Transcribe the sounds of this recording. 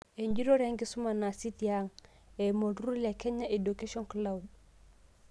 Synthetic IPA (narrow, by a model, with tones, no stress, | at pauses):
e˨ɲd͡ʒi˦ɾo˦ɾe˦ŋɡi˦su˦ma˨na˨si˦tija˦ŋ | e˨mo˨dɾu˦le˨ke˦ɲa˦ʔe˨do˨ke˦ʃɔ˦nkla˨wd